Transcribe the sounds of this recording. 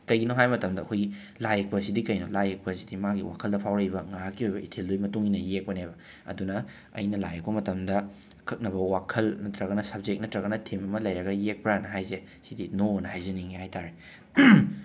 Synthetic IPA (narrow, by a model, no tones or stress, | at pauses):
kɐjɡinoɦajmɐtɐmdɐɐkʰojɡi | lajek̚pɐsidikɐjnolajek̚pɐsidimaɡiwa̰kʰɐldɐpʰawɾɐjbɐŋaɾakːiojbɐitʰeldujmɐtuŋinɐjek̚pɐnebɐ | ɐ̰dunɐ | ɐ̰jnɐla̰jek̚pɐmɐtɐmdɐ | kʰɐk̚nɐbɐwakʰɐlnɐtɾɐɣɐnɐsɐb̚d͡ʒek̚nɐtɾɐɣɐnɐtʰemɐmɐlɐjɾɐɡɐjek̚pɾanɐɦajze | sidinonɐhajzeniŋihajtaɾe